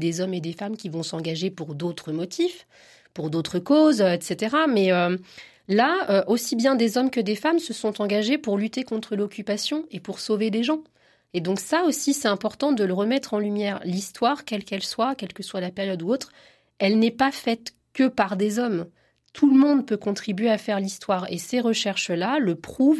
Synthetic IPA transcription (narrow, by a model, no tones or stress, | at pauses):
d̪ezɔmed̪efamkʲivɔ̃sɑ̃ɡaʒepuʁd̪ot̪χəmɔt̪ʰif | puʁd̪ot̪χəkozøɛt̪set̪eʁamɛø | laøʔosibjɛ̃d̪ezɔmkəd̪efamsəsɔ̃t̪ɑ̃ɡaʒepuʁlyt̪ekɔ̃t̪χəlɔkʲypasjɔ̃epuʁsoved̪eʒɑ̃ | ed̪ɔ̃ksaosisɛt̪ɛ̃pɔʁt̪ɑ̃d̪ələʁəmɛt̪χɑ̃lymjɛːʁlist̪waʁkʲɛlkʲɛlswakʲɛlkəswalapɛʁjɔd̪uot̪χ | ɛlnɛpafɛt̪ | kəpaʁd̪ezɔm | t̪ʰulmɔ̃d̪pøkɔ̃t̪χibɥeafɛʁlist̪waʁḛseʁəʃɛʁʃlaləpχuv